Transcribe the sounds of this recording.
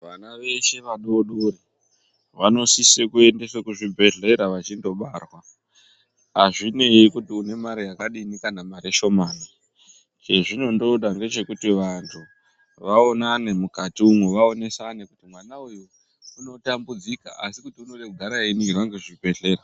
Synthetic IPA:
ʋanaʋe̞ʃe̞ʋaɗoɗuri | ʋano̞sisekue̞ndesekuʐibʱe̞ɮe̞ɾaʋat͡ʃindo̞ɓarwa | aʐine̞ikutiune̞maɾijakaɗinikanamaɾeʃo̞mani | t͡ʃe̞ʐino̞ndo̞ɗaŋɡe̞t͡ʃe̞kutiʋantʰu | ʋaonanemukatiumweʋao̞ne̞sanekutimwanauju | uno̞tambud͡zika̰a̰sikutiuno̞ɗe̞kuɡʱaɾainirwaŋɡe̞ʐibʱe̞ɮe̞ɾa

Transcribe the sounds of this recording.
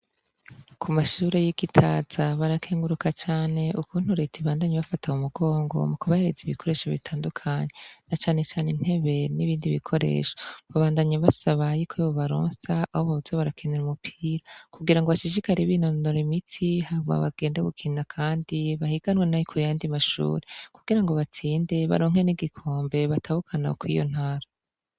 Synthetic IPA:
kʰumaʃuːɾe̞jiɡitʰaːz̥aβaɾakʰeːŋɡuɾukʰat͡ʃaːne̞ʔukuːn̥huɾetʰiβaːndaɲeβafatʰaumuɡo̞ːŋɡo̞̰mukuβahe̞ɾeziβikʰo̞ɾe̞ːʃoβitʰaːndukʰaɲenat͡ʃaːne̞t͡ʃaːnin̥he̞βe̞niβiːndiβikʰo̞ɾe̞̰ːʃoβaβaːndaɲaβasaβajikʰeβoβaɾo̰ːnsaːhoβaβuzeβaɾakʰineɾumupʰiːɾakuɡiɾaŋɡo̞βaʃiʃikaɾiβinonoɾimitʰihauma̰βa̰ɡ̥e̞ːndaɡukʰinakʰaːndiβahiɡanwenajikʰujaːndimaʃṵːɾekuɡiɾaŋɡo̞βat͡siːnde̞βa̰ɾoːŋ̥e̞niɡikʰoːmbe̞βatʰahukʰana̰kwijo̰n̥haːɾa

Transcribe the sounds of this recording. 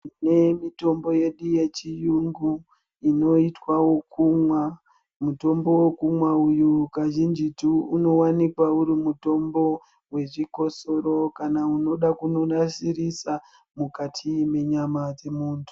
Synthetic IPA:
ne̞mito̞mbo̞je̞ɗuje̞t͡ʃijuŋɡu | ino̞itwawo̞kumwa | muto̞mbowokumwaujukaʒind͡ʒituuno̞wanikwauɾimuto̞mbo̞ | we̞ʐikoso̞ɾo̞kanauno̞ɗakuno̞nasiɾisa | mukatʰime̞ɲamad͡ze̞muːntʰu̥

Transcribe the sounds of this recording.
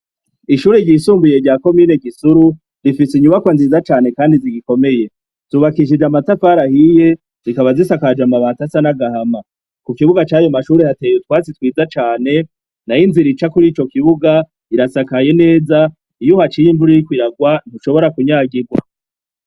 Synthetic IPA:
iʃuːɾeɟiːsuːmbuje̞ɾɟaːko̞miːne̞kisuɾu | ɾifisiɲuβakwanziːzat͡ʃaːne̞kaːndiziɡiko̞me̞je̞ | z̥uβakiʃ̬id͡ʒamatafaːɾahije̞ | zikaβazisakad͡ʒamaβaːtasanaɡahama | kukiβuɡat͡ʃaːjomaʃuːɾehate̞ːjut̚waːt͡sitwiːzat͡ʃaːne̞ | najinziɾit͡ʃakuɾiːt͡ʃo̞kiβuɡa | iɾasakaje̞ne̞ːza | ijuhat͡ʃijimbuɾiikwiɾaɡwan̥huʃo̞βo̞ɾakuɲaːɡiɡwa

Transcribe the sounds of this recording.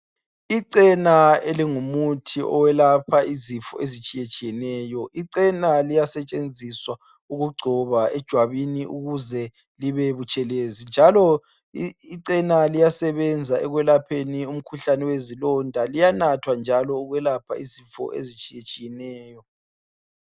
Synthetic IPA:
iǀɛnaeliŋumutʰiʔɔ̰wɛlapʰaizifɔ̰ʔezit͡ʃʼijet͡ʃʼijɛnɛːjɔʔiǀɛnalijasɛt͡ʃʼend͡zʱiswa | uɣuɡ͡ǀʱɔβaɛd̥ʒ̥ʱwaβiniʔuɣuzɛ | liβeβut͡ʃʼɛlezind͡ʒʱalɔ | iǀɛnalijasɛβɛnd͡zʱaɛɣwɛlapʰenium̩kʰuɬanɛwezilɔndʱalijanatʰwand͡ʒʱalɔuɣwɛlapʰa̰izifɔ̰ʔḛzit͡ʃʼijet͡ʃʼijɛnɛːjɔ

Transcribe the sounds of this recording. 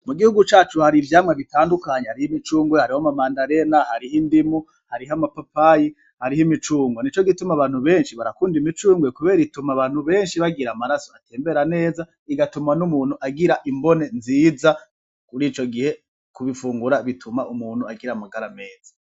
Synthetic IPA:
muɡihuɡut͡ʃaːt͡ʃuhaɾivjaːmŋeβitaːndukaɲehaɾihimit͡ʃuːŋɡwehaɾihomamaːndaɾe̞nahaɾiɦindimu | haɾiɦamapapaji | haɾihimit͡ʃuːŋɡwenit͡ʃo̞ɡitumaβaːn̥huβe̞ːnʃiβaɾakuːndimit͡ʃuːŋɡwekuβe̞ːɾitumaβaːn̥huβe̞ːnʃiβaɡiɾamaɾaso̞atʰeːmbe̞ɾane̞ːza | iɡatumanumuːn̥huʔaɡiɾaʔimbo̞ne̞nziːza | kuɾiːt͡ʃo̞ɡihe̞ | kuβifuːŋɡuɾaβitʰumaʔumuːn̥huaɡiɾamaɡaɾame̞ːz̥ḁ

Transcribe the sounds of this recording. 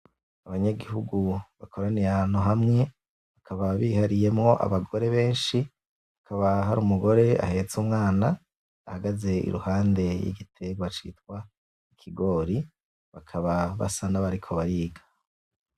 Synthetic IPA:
aβaɲaɡiɦuɡuβakʰo̞ɾanijaan̥uɦamŋe̞ | βakʰaβaβihaɾije̞mŋo̞ʔa̰βaɡo̞ɾe̞βe̞ːnʃi | βakʰaβaɦaɾuːmuɡo̞ɾe̞a̰he̞t͡sumŋaːnaː | haɡaze̞ḭɾṵhaːnde̞jḭɡitʰe̞ɡwat͡ʃḭːtkwa | ikʰiɡo̞ːɾi | βakʰaβaβa̰sanaβaɾikʰo̞βaɾiːɡa

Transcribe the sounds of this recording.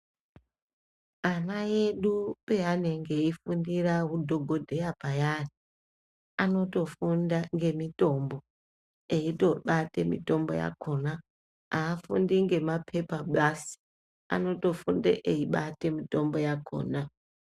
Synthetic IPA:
anaje̞ɗupeane̞ŋɡe̞ifundiraɦudʱoɡʱo̞dʱe̞japajani | ano̞to̞fundaŋɡe̞mito̞mbo̞ | eito̞ɓate̞mḭto̞mbo̞̰ja̰kona | aːfundiŋɡe̞mapʰe̞paɓasi̥ | a̰no̞to̞fundḛʔeiɓate̞mito̞mbo̞jako̰ːna

